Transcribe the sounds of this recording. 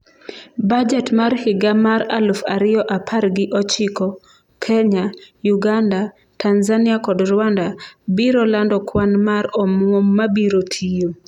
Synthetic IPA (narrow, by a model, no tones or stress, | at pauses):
bad͡ʒɛtmaɾhɪɡamaɾa̰lʊfaɾɪɔʔapʰaɾɡɪʔɔt͡ʃɪkɔ | kʰɛɲajuɡanda | tanzanɪakɔdɾwandabiɾɔlandɔkwanmaɾɔmɔmːabiɾotʰijo